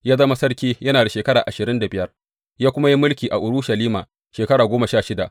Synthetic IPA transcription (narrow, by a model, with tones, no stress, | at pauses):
jaː˦zɐ˦ma˦sɐ˦rkʲiː˦jɐ˦naː˨da˨ʃeː˨kɐ˦ɽaː˨ʔa˨ʃɪ˨ɾɪ˦nda˨bɪ˦jɐ˦r | jaː˦kʷʊ˦ma˦ji˦mʊ˦lkʲiː˨ʔa˨ʔʊ˨ɾʊ˦ʃɐ˨liː˦ma̰ː˨ | ʃeː˨kɐ˦ɽaː˨ɡʷoː˦ma˨ʃaː˦ʃɪ˦da˨ʔ